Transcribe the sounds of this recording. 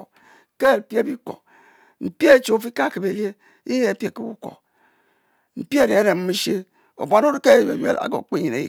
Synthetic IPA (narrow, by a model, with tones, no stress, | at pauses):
ke˦˨pje˦bi˦ko̰˨ | m̩˨pi˦e˦˨t͡ʃo˨o˨fi˦ka˦˨ki˨be˨le˦ | i˦je˦˨pje˨ki˦bṵ˦ko̰˨ | m̩˨pi˦e˦˨de˨e˦ɾe˨m̩˦mi˦ʃe˦ | o̰˨bʷa˨no˦ɾke˦˨ḛ˨jḛ˨la̰˨ɡo̰˨k͡pi˦ɲi˨ne˨ḭ˨